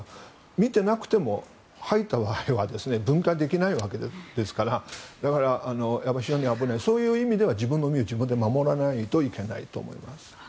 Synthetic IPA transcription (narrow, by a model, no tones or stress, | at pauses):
mʲit̪e̞nakɯ̟̥t̪e̞mo̞ | hait̪ːaβaiβad̪e̞sɨne̞bɯ̟̃ŋkad̪e̞kʲinaiβake̞d̪d̪̥e̞sɨ̥kaɾad̪akaɾaʔːno̞jabaɕioɲ̟iabɯ̟naiso̞ːjɯ̟ːimʲid̪e̞β̞ad͡ʑibɯ̃nːomʲiod͡ʑibɯ̃nd̪e̞mamo̞ɾanait̪o̞ike̞na̰ḭt̪o̞̰ːmo̞̰ḭmasɨ̥